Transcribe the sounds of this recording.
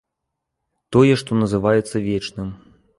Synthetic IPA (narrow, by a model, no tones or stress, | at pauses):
t̪ɔjɛʂt̪ɔnɐzɨvajɛt̪sːɐvʲɛt͡ʂnɨm